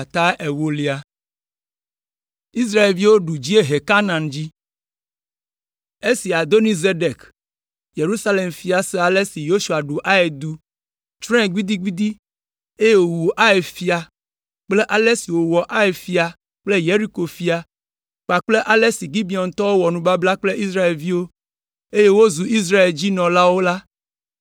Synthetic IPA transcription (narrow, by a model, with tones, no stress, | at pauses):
a˨t̪a˦ʔe˨wo˦li˦a˨ | i˦s̬ɾa˦e˨lvi˦wo˦ɖu˨d͡ʑi˦e˦ɦe˨ka˦nã˨nd͡ʑi˦ | e˦si˨a˨d̪o˦ni˦ze˦ɖe˨k | je˨ɾu˦sa˦le˨mfi˦a˨sɛ˦a˨le˦si˨jo˦ʃu˨a˨ɖu˨ʔa˦e˨d̪u˦ | t͡ʃɾɛ̃˦ɡʷi˦d̪i˦ɡi˦d̪i˦ | e˦je˦wo˨wu˨ʔa˦e˨fi˦a˨ | k͡ple˦ʔa˨le˦si˨wo˨wɔ˨ʔa˦e˨fi˨˦a˨ | k͡ple˦je˦ɾi˦ko˨fi˦a˨ | k͡pa˨k͡ple˦ʔa˨le˦si˨ɡi˦bi˨ɔ˨nt̪ɔ˦wo˦wɔ˨nũ˨ba˦bla˦k͡ple˦ʔi˦sɾa˦e˨lvi˦wo˦ | e˦je˦wo˦zu˨i˦s̬ɾa˦e˨ld͡ʑi˦nɔ̃˨la˦wo˦la˦